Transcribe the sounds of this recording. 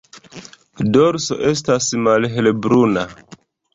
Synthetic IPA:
doɾso̞̰ʔe̞s̬tasmalɦelebɾuna

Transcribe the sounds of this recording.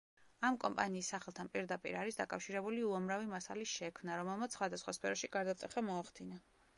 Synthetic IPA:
amkʼɔmpʼaniːsːaχɛlˠt̪ʰanpʼiɾd̪apʼḭɾaɾisd̪akʼafʃiɾɛbuliuamɾavimasa̰liʃɛkʰmnaɾɔmɛlˠmat̪ssχwad̪asχwaspʰɛɾɔʃiɡ̥aɾd̪at̪sʼɛχamɔaχd̪ina

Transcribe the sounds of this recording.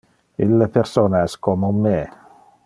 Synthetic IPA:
ilːepersoːnaɛskomomːe

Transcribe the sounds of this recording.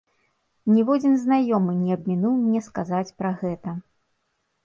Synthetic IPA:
nʲivɔd͡zʲinznajɔmɨnʲiɐb̚ʲmʲinuwmnʲɛskazat͡sʲpɾɐɣɛt̪ɐ

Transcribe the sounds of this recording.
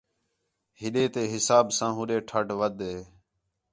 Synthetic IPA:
ɦɪɗeːt̪eːɦɪsaːbsãːɦʊɗeːʈʰəʈʋəd̪ɦeː

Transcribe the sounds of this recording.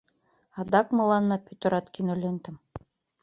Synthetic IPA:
ɑd̪ɑkmɤ̆lˠɑnːɑpʲɵt̪oɾɑt̪kinolʲent̪ɘ̆m

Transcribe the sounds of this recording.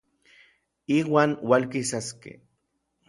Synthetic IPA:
iːwaːnwalkisaskḛ

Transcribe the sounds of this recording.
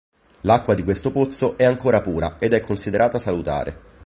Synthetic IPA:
lakːwad̪ikwest̪opot̪soʔɛaŋkoːɾapuːɾa̰ed̪ɛkʰːonsid̪eɾʔaːt̪asalut̪a̰ːɾʔḛ

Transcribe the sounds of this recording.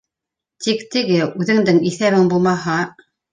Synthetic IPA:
t̪ikt̪ɘ̆ɡɘʉðɘ̆ŋd̪ɘŋiθæβɘŋbulˠmɑɦɑ

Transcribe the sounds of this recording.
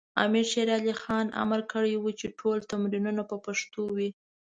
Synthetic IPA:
ɑ̰miɾʃeɾɑlixɑna̰maɾkəɽəjwut͡ʃeʈʰolt̪amɾinunapəpaʂt̪owi

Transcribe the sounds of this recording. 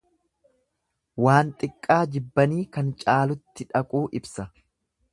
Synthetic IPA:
waːnt̪ʼɪkʼːaːd͡ʒɪbːɐniːkɐnt͡ʃʼaːlʊt̪ːɪᶑɐkʼuːʔɪbsɐ

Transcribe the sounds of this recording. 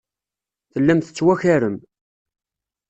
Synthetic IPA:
θəlːæmθə̥t͡sːwæçæɾən

